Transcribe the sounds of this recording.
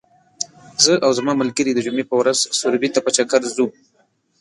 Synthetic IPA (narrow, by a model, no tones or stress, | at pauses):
zəʔawzamɑməlkəɾid̪əd͡ʒʊmepəwɾazsʊɾbit̪apət͡ʃakaɾzu